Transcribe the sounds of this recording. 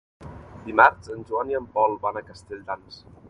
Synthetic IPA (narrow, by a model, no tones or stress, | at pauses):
d̪imaɾzənʲʒuaniəmpɔlˠbanəkəst̪eʎd̪ans